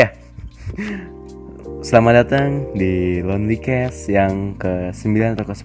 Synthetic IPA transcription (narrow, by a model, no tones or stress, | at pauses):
a | səlamadat̪aŋdilɔnlikɛsjaŋkəsəmbilanat̪awkəs